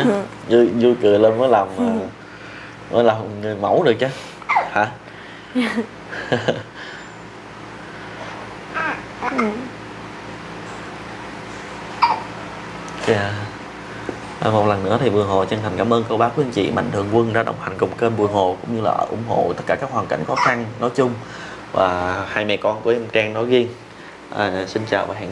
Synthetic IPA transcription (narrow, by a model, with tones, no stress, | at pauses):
zzu˧jkɨ˨˩əle˧nvəː˨˦jlaː˨˩mvː | vəː˨˦jlaː˨˩m˨ŋɨ˨˩əjma˧˥wɗɨ˨˩ək̚t͡ɕaː˧ | haː˨˦˨ | aː˧˩ | ʔaː˨˩mo˨˩t̚lə˨˩nːɨ̰˧˥ət̪ʰi˨˩vu˨˩əŋɦo̰˨t͡ɕə˧nt̪ʰa˨˩ŋ̟kaː˧˦mʔəː˧nkə˧wɓaː˨˦kwi˧ənt͡ɕḭ˧˨ma̰˧˨ŋ̟t̪ʰɨ˨˩əŋkwə˧nɗa̰ː˧˥ɗə̰˧˩wŋ͡mha˨˩ŋ̟kə˨˧˩wŋ͡mke˧nvu˨˩əŋɦo̰˧˨kʊ̰˧˥ŋ͡mɲɨ˧la̰ː˨˩ə˨˧ʔʊ̰˧˩˦ŋ͡mɦo̰˧˨t̪ə˦˥t̚kaː˧˩kaː˦˥k̚waː˨˩nka˧˩jŋ̟xɔ˨˦xa˧nnɔ˨˦jt͡ɕʊ˧ŋ͡m | va̰ː˨˩haː˧jmɛ̰˨˩kɔ˧nku˧˩əʔɛ˧mt͡ɕaː˧ŋnɔ˨˦jɣi˧ən | ʔaː˨˩si˧nt͡ɕaː˨˩wvaː˨˩ha̰ː˧˨ŋ